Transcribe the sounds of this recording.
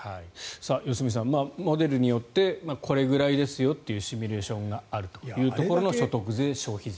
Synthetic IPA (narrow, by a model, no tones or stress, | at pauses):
haisaːjo̞sɨmʲis̬ãmmaːmo̞d̪e̞ɾɯ̟ɲ̟ijo̞t̪ːe̞makʰo̞ɾe̞ɡɯ̟ɾaid̪e̞sɨjo̞t̪ːejɯ̟ːɕimʲiɾe̞ːɕõ̞ŋɡaaɾɯ̟t̪o̥jɯ̟ːt̪o̞ko̞ɾo̞no̞ɕo̞t̪o̞kɯ̟ze̞ɕo̞ːçiz